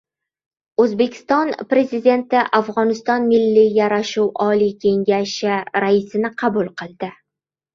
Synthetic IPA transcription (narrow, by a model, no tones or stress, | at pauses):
ɵzbe̞kʲʰɪ̥st̪ɒnpɾe̞zid̪ʲe̞nt̪ɪʔafʁɒnɪst̪ɒnmɪlːijaɾaʃuwʔɒlikʲʰe̞ŋɡʲaʃɪɾaɪsɪnɪqʰɑbʊlˠqɨlˠd̪ɪ